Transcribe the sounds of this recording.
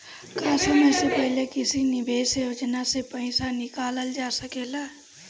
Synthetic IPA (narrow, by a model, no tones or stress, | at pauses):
kaːsəməjsepɛɦlekɪsinɪbʱeːsjoːd͡ʒnasepə̃ɪsanɪkaːləld͡ʒaːsəkelaː